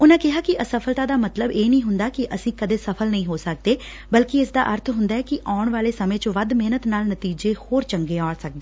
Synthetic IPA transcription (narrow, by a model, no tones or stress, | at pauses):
ʊnãːkɪɦaːkɪʔəsəpʰəlt̪aːd̪aːmət̪ləbeːnəĩːɦʊnd̪aːkɪʔəsĩːkəd̪eːsəpʰəlnəĩːɦoːsək̚d̪eː | bəlkɪɪsd̪a̰ːʔəɾt̪ʰɦʊnd̪aːɛːkɪʔaːʊɳʋaːleːsəmẽːt͡ʃõʋəd̪meːnət̪naːlnət̪iːd͡ʒeːhoːɾt͡ʃəŋɡeːaːɽsək̚d̪eː